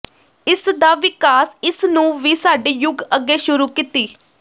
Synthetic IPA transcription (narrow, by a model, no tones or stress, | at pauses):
ɪsd̪aːʋɪkaːsɪsnũːʋiːsaːɖeːjʊɡəɡːeːʃʊɾuːkit̪iː